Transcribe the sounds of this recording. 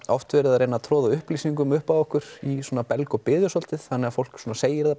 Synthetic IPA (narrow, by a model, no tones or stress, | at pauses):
ɔft̪vɛːɾʏðaɾejnat̪ʰɾɔːðaʏhpliːsiŋkʏmʏhpaɔhkʏɾ̥isɔːnapɛlkɔpɪːðjʏsɔl̥t̪ɪðθanːɛɣafowl̥ksɔːnaseːjɪɾða